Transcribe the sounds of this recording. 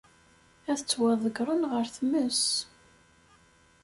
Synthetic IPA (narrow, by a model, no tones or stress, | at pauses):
æθət͡sːwæðˤəɡɾˤənʁəɾθməs